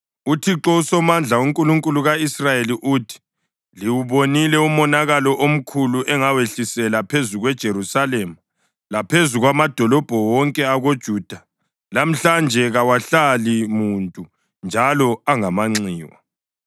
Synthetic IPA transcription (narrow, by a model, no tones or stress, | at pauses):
utʰiǁɔusɔmand͡ɮʱauŋkʼuluŋkʼuluɣaisrajeliʔutʰi̥ | liwuβonilɛumɔnaɣalɔʔom̩kʰuluʔɛŋaweɬisɛlapʰezuɣwɛd̥ʒ̥ʱeɾusalemu | lapʰezuɣwamad̥ʱɔlɔb̥ʱɔwɔŋkʼɛaɣod̥ʒ̥ʱuːd̥ʱa | lam̩ɬand͡ʒʱɛɣawaɬalimuntʼu | nd͡ʒʱalɔaŋamaŋ͡ǀiːwa̰